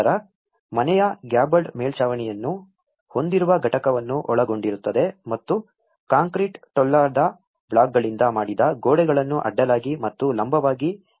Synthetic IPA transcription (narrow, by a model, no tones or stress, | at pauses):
ɾɐ | mɐnɛjɐɡjaːbɐɖmeːlt͡ʃaːʋɐɳɛjɐnːu | ho̞nd̪iɾuʋɐɡʱɐʈɐkɐʋɐnːuʔɔɭɐɡo̞ɳɖiɾut̪ːɐd̪e̞mɐt̪ːu | kaːŋkɾiʈʈɔlːaːd̪ɐ | bɭaːɡ̚ɡɐɭind̪ɐmaːɽid̪ɐɡoːɽɛɡɐɭɐnːuʔɐ̰ɖːɐlaːɡimɐt̪ːulɐmbʱɐʋaːɡi